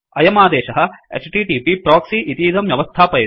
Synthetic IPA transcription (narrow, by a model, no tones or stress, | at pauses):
ɐjɐmaːd̪ɛːʃɐɦɐḛt͡ʃʈiʈiːpipɾaːksiʔit̪iːd̪ɐmjɐʋɐst̪ʰaːpɐjɐ